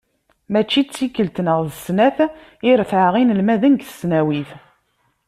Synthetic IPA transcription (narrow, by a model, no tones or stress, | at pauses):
mæt͡ʃːit͡sːikːəlt̪nəʁðəsnæθ | iɾθʕaʁinəlmæðənɡθə̥snæwiθ